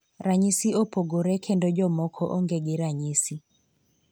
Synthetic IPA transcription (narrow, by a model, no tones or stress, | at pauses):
raɲisiopoɡoɾɛkʰendɔd͡ʒɔmɔkʰɔʔoŋɡeɡɪɾaɲisi